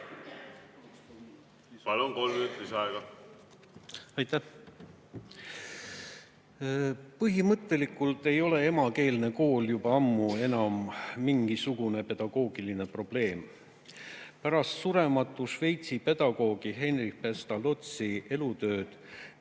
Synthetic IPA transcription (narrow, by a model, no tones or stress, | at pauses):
pɑlunkolmyt̪isɑɛɡɑ | ɑjt̪æh | pɤɦimɤt̪ːˑe̞likˑult̪e̞jo̞le̞emɑke̞ːlne̞ko̞ːljub̥ɑɑmːue̞nɑmːiŋɡ̥isuɡ̥une̞pe̞d̪̥ɑɡ̥o̞ːɡ̥iline̞pro̞b̥le̞ːm | pæɾɑst̪suɾe̞mɑt̪ːˑuʃve̞jt̪sipe̞d̪̥ɑɡ̥o̞ːɡ̥iɦe̞nrik̚pe̞st̪ɑlo̞t̪sie̞lut̪ø̞ːd̪̥